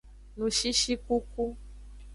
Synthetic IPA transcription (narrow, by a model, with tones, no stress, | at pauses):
nũ˨ʃi˦ʃi˦ku˦ku˦